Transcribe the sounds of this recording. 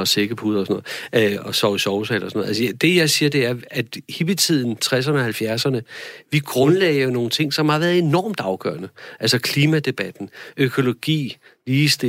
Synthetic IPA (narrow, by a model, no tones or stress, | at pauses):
ɒseɡ̥ɐpʰuðˠɐɒsnɔ̽ð̩ˠɒ̽sɒʊisɒʊselɐsnɔ̽ð̩ˠælsəd̥e̝jɑ̈ɪsiːɐd̥e̝æɐæd̥hib̥it͡sʰið̞̰ˠn̩t͡sʰʁas̬ɐnəɒ̽hælfjæɐsɐnəʋiɡ̥ʁɔ̽nlɛɪjo̝no̝ːn̩t͡sʰe̝ŋ̰sɒ̽mhɑ̈ʋæːɐð̩ˠe̝nɒ̰ːmd̥ɑ̈ʊɡ̥œ̰ːɐnəʔælsɒkʰliːmæd̥e̝b̥æd̥n̩økʰo̝lo̝ɡ̥ḭː | liːsd̥e